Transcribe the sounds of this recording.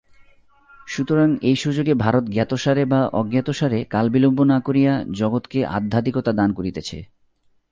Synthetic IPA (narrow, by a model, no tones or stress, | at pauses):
ʃut̪oɾaŋejʃud͡ʑoɡebʱaɾot̪ɡat̪oʃaɾebaʔɔ̰ɡjat̪oʃaɾekalbilobːonakoɾijad͡ʑɔɡot̪keʔa̰d̪ʱːad̪ikot̪ad̪ankoɾit̪et͡ɕʰḛ